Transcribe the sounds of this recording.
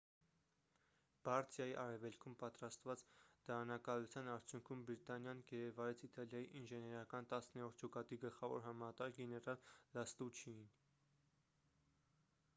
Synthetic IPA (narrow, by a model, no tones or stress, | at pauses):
b̥ɑɾt̪ʰjɑjiʔɑɾɛvɛlkʰumpɑt̪ɾɑst̪vɑt͡sd̪̥ɑɑnɑkɑlut͡sʰjɑnɑɾt͡sʰjuŋkʰumbɾit̪ɑnjɑnɡɛɾɛvɑɾɛt͡sʰit̪ɑljɑjiʔinʒɛnɛɾɑkɑnt̪ɑsnɛɾɔɾt̪̚ʰd͡ʒɔkɑt̪iɡəlχɑvɔ̰ɾɦɑmɑt̪ɑɾɡɛnɛɾɑlːɑst̪ut͡ʃʰin